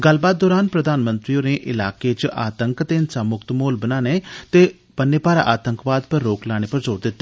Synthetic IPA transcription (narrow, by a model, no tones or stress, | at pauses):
ɡəlbaːt̪̚d̪ɔːɾaːnpɾəd̪aːnmə̃nt̪ɾioːneʔɪlaːket͡ʃʔa̰ːt̪əŋkt̪eːɪnsaːmʊkt̪moːlbənaːneːt̪eː | pənːeːpaːɾa̰ːʔaːt̪əŋkʋaːd̪pəɾːoːklaːɽ̃eːpəɾzoːɾd̪ɪt̪ːa